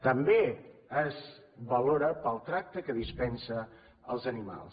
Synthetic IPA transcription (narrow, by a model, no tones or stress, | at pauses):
t̪əmbeəz | βəloɾəpəlˠt̪ɾak̚t̪əkəðispɛnsə | əlˠzənima̰lˠs